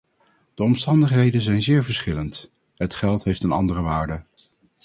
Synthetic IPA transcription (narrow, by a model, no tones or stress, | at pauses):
d̥əɔmstɑndəχɦejdənzɛjnzɪːɹvəɹsχɪlənt | ɦətχɛlˠtɦejftənɑ̰ndərəʋaːɹdə